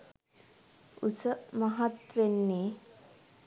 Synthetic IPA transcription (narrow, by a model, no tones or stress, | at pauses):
usəmaɦat̪ʋenːeː